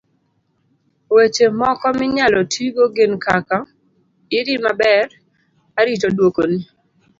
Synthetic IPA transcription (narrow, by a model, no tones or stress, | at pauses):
wet͡ʃemɔkɔmɪɲalɔtʰiɡoɡenkaka | ɪɾimabɛr | aɾit͡ʃodwokoni